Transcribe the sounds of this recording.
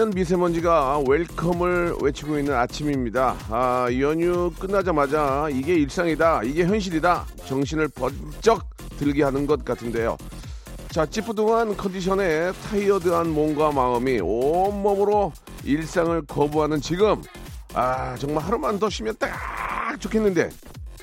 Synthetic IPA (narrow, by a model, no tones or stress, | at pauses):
ɯnmis̬ʰe̞mʌnd͡ʑiɡaweɭkʰʌmɯɭwe̞t͡ɕʰiɡoinːɯnat͡ɕʰimimɲidaːiʌɲuk͈ɯnːad͡ʑamad͡ʑaiɡe̞iɭs͈aŋidaiɡe̞çjʌnɕ̬ʰiɾidat͡ɕʌŋɕ̬ʰinɯɭpʌt͡ɕ͈ʌk̚ | t͈ɯɭɡiɦanɯnɡʌt̚k͈atʰɯnde̞jo̰ | t͡ɕat͡ɕ͈ipʰudoŋankʰʌndiɕʰʌne̞tʰaiʌdɯɦanmoŋɡwamaɯmiomːʌmɯɾo | iɭs͈aŋɯɭkʌbuɦanɯnt͡ɕiɡɯm | at͡ɕʌŋmaɭɦaɾumandʌɕʰimjʌnt͈aak̚t͡ɕ͈okʰe̞nːɯnde̞̰